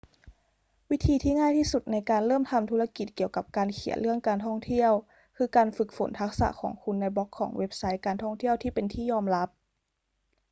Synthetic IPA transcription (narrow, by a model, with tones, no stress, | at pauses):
wi˦˥t̪ʰiː˧t̪ʰiː˥˩ŋaː˥˩jt̪ʰiː˥˩su˨˩t̪̚na˧jkaː˧nlɤː˥˩˨mt̪ʰa˧mt̪ʰuː˦˥la˧ki˨˩t̪̚ki˨˩əwka˨˩p̚kaː˧nkʰi˨˩˦ənlɯ˥˩əŋkaː˧nt̪ʰɔ˥˩ŋt̪ʰi˥˩əw | kʰɯː˧kaː˧nfɯ˨˩k̚fo˩˦nt̪ʰa˦˥k̚sa̰˨˧˦kʰɔ̰ː˩˦ŋkʰu˧nːa˧jbɔ˦˥kʰːɔ̰ː˩˦ŋwe˦˥p̚sa˦˥jkaː˧nt̪ʰɔ˥˩ŋt̪ʰi˥˩əwt̪ʰiː˥˩pe˧nt̪ʰiː˥˩jɔː˧mla˦˥p̚